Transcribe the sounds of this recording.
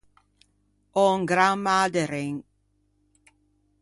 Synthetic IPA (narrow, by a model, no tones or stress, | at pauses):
ɔŋɡɾamad̪əɾeŋ